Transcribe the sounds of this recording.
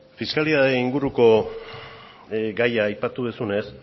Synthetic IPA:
fiskaliðaðeiŋɡuɾuko̞ | ɡajaːjpat̪uðesune̞s

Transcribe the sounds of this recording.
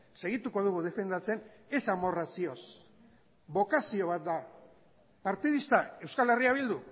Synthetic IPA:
se̞ɣ̞it̪uko̞ð̞uɣuð̞e̞fe̞nd̪at͡se̞ne̞samo̞rasio̞s | βo̞kasio̞β̞at̪̚d̪a | paɾt̪iðist̪ae̞wskale̞riaβild̪u

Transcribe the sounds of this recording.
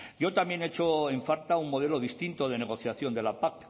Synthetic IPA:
ɟ͡ʝo̞t̪amje̞ne̞t͡ʃoe̞ɱfaɾt̪auŋmo̞ð̞e̞lo̞ðist̪int̪o̞ð̞e̞ne̞ɣ̞o̞θjaθjo̞nd̪e̞lapak

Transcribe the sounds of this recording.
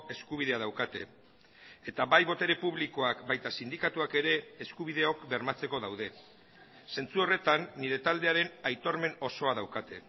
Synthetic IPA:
e̞skuβ̞iðe̞aðawkat̪e̞ | et̪aβajβo̞t̪e̞ɾe̞puβliko̞akbajt̪asind̪ikat̪uake̞ɾe̞ːskuβiðe̞o̞kbe̞ɾmat͡se̞ko̞ðawð̞e̞ | se̞nt͡suo̞re̞t̪anːiɾe̞t̪ald̪e̞aɾe̞najt̪o̞ɾme̞no̞so̞aðawkat̪e̞̰

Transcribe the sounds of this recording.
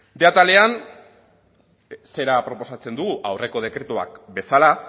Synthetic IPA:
d̪e̞at̪ale̞an | se̞ɾapɾo̞po̞sat͡se̞nd̪uɣuʔawre̞ko̞ð̞e̞kɾe̞t̪ua̰k̚be̞sala

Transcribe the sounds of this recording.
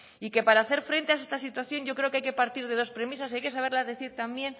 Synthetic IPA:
ike̞paɾaːθe̞ɾfɾe̞nt̪eaest̪asit̪waθjo̞ɲɟ͡ʝo̞kɾe̞o̞keajkepaɾt̪iɾðe̞ðo̞spɾe̞mis̬asajke̞s̬aβ̞e̞ɾlazðe̞θiɾt̪ambje̞n

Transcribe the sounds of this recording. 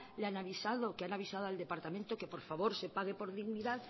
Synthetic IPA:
leanaβ̞isaðokeanaβ̞isað̞oald̪e̞paɾt̪ament̪okepo̞ɾfaβo̞ɾse̞paɣ̞e̞po̞ɾðiɣniðað

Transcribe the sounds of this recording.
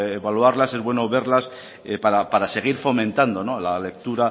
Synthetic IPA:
eβaluaɾlase̞zβwe̞no̞βe̞ɾlas | epaɾapaɾase̞ɣ̞iɾfo̞mẽnt̪and̪o̞no̞lale̞k̚t̪uɾa

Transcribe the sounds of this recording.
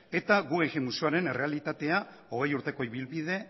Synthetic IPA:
e̞t̪aɣueɣemusiaɾe̞ne̞re̞alit̪at̪e̞a | o̞ɣ̞e̞juɾt̪e̞ko̞iβilβið̞e̞

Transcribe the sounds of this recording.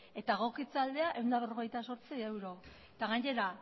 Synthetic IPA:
e̞t̪aɣo̞kit͡sald̪e̞aʔe̞wnd̪aβero̞ɣ̞e̞jt̪aso̞ɾt͡siewɾo̞ | t̪aɣaɲe̞ɾa

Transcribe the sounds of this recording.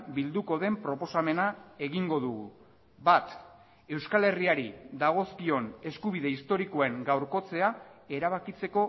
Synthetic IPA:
bild̪uko̞ðe̞mpɾo̞po̞same̞nae̞ɣiŋɡo̞ðuɣu | bat̪ | e̞wskale̞riaɾiðaɣ̞o̞skio̞ne̞skuβiðe̞ist̪o̞ɾiko̞e̞ŋɡawɾko̞t͡se̞ae̞ɾaβ̞akit͡se̞ko̞

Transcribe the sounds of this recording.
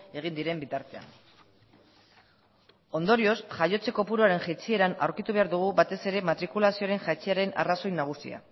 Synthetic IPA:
e̞ɣ̞ind̪iɾe̞mbit̪aɾt̪e̞a̰n | o̞nd̪o̞ɾio̞sʝajo̞t͡se̞ko̞puɾuaɾe̞nʝet͡sie̞ɾana̰wɾkit̪uβe̞aɾðuɣ̞ubat̪e̞se̞ɾe̞mat̪ɾikulasio̞ɾe̞ŋʝat͡ʃeaɾe̞na̰raso̞jnaɣ̞usḭa̰

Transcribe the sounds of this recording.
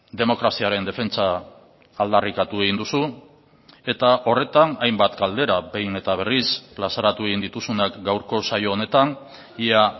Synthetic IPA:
d̪e̞mo̞kɾasiaɾe̞nd̪e̞fe̞nt͡saː | ld̪arikat̪ue̞ɣind̪usu | e̞t̪aʔo̞re̞t̪anajmbat̪ɡald̪e̞ɾabe̞jne̞t̪aβ̞e̞risplasaɾat̪ue̞ɣind̪it̪usunakɡawɾko̞sajo̞ːne̞t̪an | ia

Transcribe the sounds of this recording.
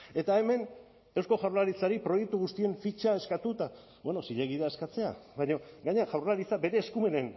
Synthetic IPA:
e̞t̪ae̞me̞n | e̞wsko̞ʝawɾlaɾit͡saɾipɾo̞je̞k̚t̪uɣust̪ie̞ɱfit͡ʃae̞skat̪ut̪a | bwe̞no̞siʎeɣiðeae̞skat͡se̞a̰βaɲo̞ɡaɲeaʝawɾlaɾit͡sabe̞ɾe̞ːskume̞nen

